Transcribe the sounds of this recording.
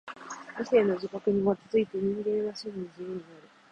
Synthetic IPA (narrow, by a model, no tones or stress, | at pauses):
ise̞ːno̞d͡ʑikakɯ̟ɲ̟iβat̪azɨit̪eɲ̟ĩŋɡẽ̞ɰ̃βaɕiɡiɲid͡ʑijɯɲ̟inaɾɯ̟